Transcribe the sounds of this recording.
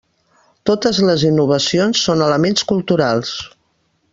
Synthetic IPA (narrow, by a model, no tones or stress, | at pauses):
t̪ot̪əzləzinːuβ̞əsionsːonələmenskulˠt̪uɾalˠs